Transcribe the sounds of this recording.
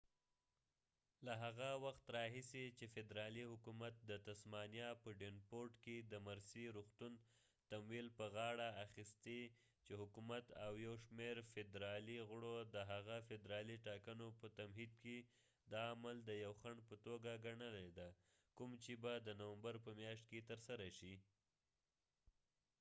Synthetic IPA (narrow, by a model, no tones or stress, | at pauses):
laɦaɣawaxt̪ɾɑɦisit͡ʃefɪd̪ɾɑlihʊkumat̪̚d̪ət̪asmɑnjɑpəɖenpoɾʈked̪əmaɾsiɾuxt̪un | t̪amwilpəɣɑɽaːxist̪e | t͡ʃehʊkumat̪awjawʃmeɾfɪd̪ɾɑliɣʊɽod̪əɦaɣafɪd̪ɾɑliʈɑkənopət̪amɦid̪̚ke | d̪ɑːmald̪əjawxaɳɖpət̪oɡaɡaɳəled̪a | kumt͡ʃebad̪ənawambaɾpəmjɑʃt̪̚ket̪əɾsaɾaʃi